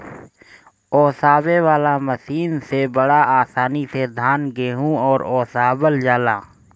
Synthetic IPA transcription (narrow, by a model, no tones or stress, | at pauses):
ɔːsaːbewaːlaməsiːnsebəɽaʔaːsaːnised̪ʱaːnɡeːɦũɔːɾɔːsaːbəld͡ʒaːlaː